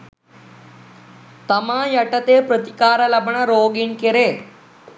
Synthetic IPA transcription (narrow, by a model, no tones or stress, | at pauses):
t̪əmãjɐʈət̪epɾət̪ikaːɾalabɳaɾoːɡiɳkeɾe